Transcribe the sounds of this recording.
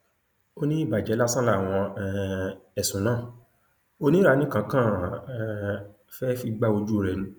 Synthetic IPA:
o˦nĩ˦˨ba˨d͡ʒɛ˨˦la˦sã˦la˦˨w̃ɔ̃˧ | ɛ˨sũ˨˦nãː˦˨ | o˦nĩ˦ɾa˧nĩ˦kã˧kã˦˨ | fɛ˦fi˧ɡ͡ba˦o˧d͡ʒu˦o˦˨ɾɛ˨nũ˨˦

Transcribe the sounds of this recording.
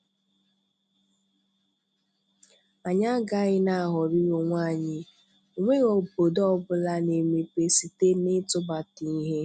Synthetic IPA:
a˨ɲa˦ɡa˦ɣɪ˦na˨a˨ɦɔ˨ɾi˦ɣo˨ŋʷa˦˨ɲɪ˦ | o˨ŋʷe˦ɣo˨bo˨dɔ˦bʊ˦la˦ne˨me˨pe˨si˨te˦nɪ˦tʊ˦ba˨ti˨˦ɦe˦

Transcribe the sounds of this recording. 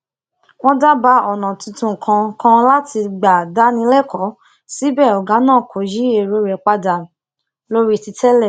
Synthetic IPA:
w̃ɔ̃˦da˦ba˧˦ɔ˨nã˨tĩ˧tũ˧˨kʰã˧kã˧la˦ti˧ɡ͡ba˨da˨˦nĩ˧lɛ˦˨kɔ˨˦ | si˦bɛ˦˨ɔ˨ɡa˨˦nãː˦˨kʰo˨˦ji˦e˧˨ɾo˧˦ɾɛ˨k͡pa˧da˨ | lo˦ɾi˦ti˧tɛ˦lɛ˦˨

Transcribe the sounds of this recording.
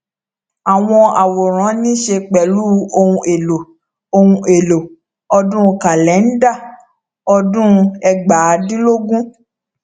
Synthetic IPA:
a˨w̃ɔ̃˧a˨wo˨ɾ̃ã˨˦nĩ˦ʃe˧k͡pɛ˨lu˦o˧hũ˧ʔe˨lo˨ | o˧ũ˧e˨lo˨ | ɔ˧dũ˦˧ka˨lɛ˨˦n̩˦da˦˨ | ɔ˧dũ˦˧ɛ˧ɡ͡ba˨˦dĩ˦lo˦ɡũ˦

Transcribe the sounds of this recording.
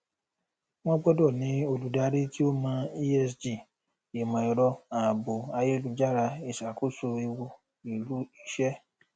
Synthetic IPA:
w̃ɔ̃˦bɔ˦dɔ˦˨nĩ˨˦o˧lu˨˦da˧˦ɾe˦ti˦o˦mãː˧˦i˦ɛ˧sd͡ʒi˦˨ | e˨mã˨i˧ɾɔ˧a˨bo˨a˧je˦˨lu˨˧˦d͡ʒa˦˨ɾa˧e˨ʃa˨ku˦˨so˧i˧wo˧ | i˨lu˨˦i˦ʃɛ˦

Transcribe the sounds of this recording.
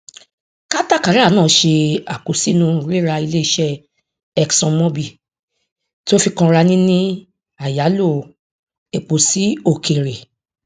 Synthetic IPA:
ka˦ta˦˨ka˨˦ɾa˦˨˦nãː˦˨˦ʃe˧a˨k͡po˨si˨˦nũ˦˧˨ɾe˦ɾa˧i˧le˦i˦˧˦ʃɛ˦ | ɛ˧ksɔ̃˧mɔ̃˦bi˦˨ | to˦fi˧kã˧ɾa˧nĩ˦nĩ˦ | a˨ja˨˦lo˦˨ | e˨k͡po˨si˨˦o˦˨kʰe˨ɾe˨

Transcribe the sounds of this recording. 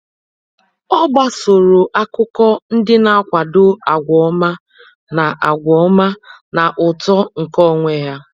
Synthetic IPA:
ɔ˦ba˦so˨ɾo˨ʔa˦kʊ˦kɔ˦n̩˦dɪ˦na˦kʷa˨dʊ˦a˨ɡʷɔ˨˦ma˦ | na˨ʔa˨ɡʷɔ˨˦ma˦na˨ʔʊ˨tɔ˦ŋ̩˨kɔ˦˨ŋʷe˨˦ja˦

